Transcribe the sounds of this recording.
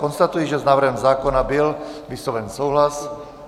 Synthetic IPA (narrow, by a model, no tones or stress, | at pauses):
kɔnst̪at̪ujɛʒɛznaːvrɾ̩ɦɛmzaːkɔnabilʋisɔʋɛnsɔwɦlas